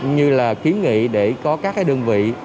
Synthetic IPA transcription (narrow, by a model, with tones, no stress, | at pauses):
ɲɨ˧laː˨˩xi˨˦ənŋḭ˧˨ɗe˧˩kɔ˨˦kaː˦˥kaː˨˦jɗəː˧nvḭ˧˨